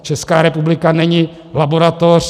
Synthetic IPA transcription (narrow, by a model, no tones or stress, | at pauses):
t͡ʃɛskaːɾɛpublɪkanɛɲɪ | laboɾat̪or̝